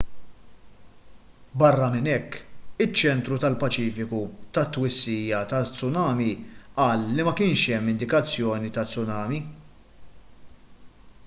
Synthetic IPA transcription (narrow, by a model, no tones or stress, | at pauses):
bɐrːɐmɪnɛkːɪt͡ʃːɛnt̪ɾut̪ɐlpɐt͡ʃiːfɪkut̪ɐt̪ːwɪsːiːjɐt̪ɐt͡sːʊnɐːmiʔɐːlːimɐkɪːnʃɛmːɪnd̪ɪkɐt͡sːjɔːnit̪ɐt͡sːʊnɐːmi